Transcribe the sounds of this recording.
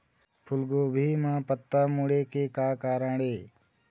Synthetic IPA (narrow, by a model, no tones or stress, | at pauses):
pʰʊlɡoːbʱiːmãːpət̪ːaːmuːɽeːkeːkaːkaːɾãːɽeː